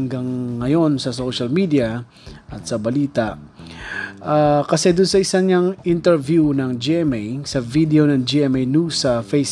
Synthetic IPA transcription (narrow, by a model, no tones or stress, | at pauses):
ŋɡaŋːɐjo̞nsɐsoʃɐlmid̪iɐ | ʔɐt̪̚sɐbɐliːt̪aʔ | ʔakɐsɛd̪ʊnsɐʔɪsaɲaŋʔɪnt̪ɛɹvjunɐŋd͡ʒiʔɛmejsɐvid̪ɛonɐŋd͡ʒiʔɛmɛjnusɐfejs